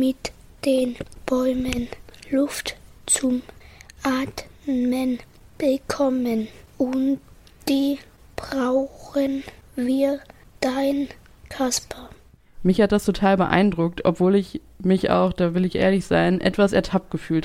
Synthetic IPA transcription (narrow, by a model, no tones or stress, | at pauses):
mɪt | d̥eːnb̥ɔʏmənlʊft | t͡sʊmʔaːtmən | b̥əkʰɔmənʔʊnt | d̥iː | b̥ʁaʊxənviːɐ | d̥aɪn | kʰaspʰɐ | mɪçhat̚d̥astʰotʰaːlbəʔa̰ɪndʁʊk̚tʰʔɔ̰pv̥oːlɪç | mɪçʔa̰ʊxd̥aːvɪlɪçʔeːɐlɪçz̥aɪnʔɛ̰tv̥asɛɐtʰap̚t̚ɡ̥əfyːlt